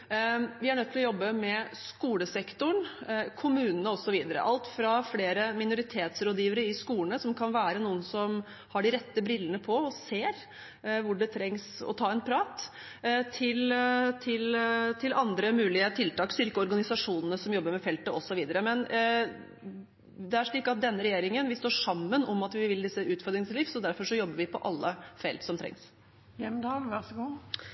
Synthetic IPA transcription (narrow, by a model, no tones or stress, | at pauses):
ʋɪæɳœt̪ːɪlɔjɔbːəmɛskuːləsɛkt̪ʊɳkʰʊmʉːnənəɔsɔʋiːd̪əɾə̰ʔɑlt̪fɾɑfleːɾəmɪnʊɾɪt̪ʰeːt̪sɾoːd̪jiːʋəɾəɪskuːləɳəsɔmkʰɑnʋæːɾənuːənsɔm | hɑɖɪɾɛt̪ːəbɾɪlːənəpʰɔɔseːɾ | ʋʊɖɛt̪ʰɾɛŋsɔ̰t̪ʰɑːɛnpʰɾɑːt̪ | t̪ʰɪlt̪ʰɪlt̪ʰɪlʔɑnd̪ɾəmʉːlɪət̪ʰɪlt̪ɑːksʏɾkəɔɾɡɑnɪsɑʂuːnənəsɔmjɔbːəɾmɛfɛlt̪əɔsɔʋiːd̪əɾəmɛn | d̪ɛæʂɭiːkːɑt̪̚d̪ɛnːəɾɛjeːɾɪŋənʋɪst̪oːʂɑmːənɔmɑt̪ʋɪʋɪld̪ɪsːəʔʉːt̪fœɾd̪ɾɪŋsliːʋsɔd̪æɾfɔʂɔjɔbːəɾʋɪpʰɔʔɑlːəfɛ̰lt̪sɔmt̪ʰɾɛ̰ŋs | jɛmd̪ɑːlʋæʁsɡuː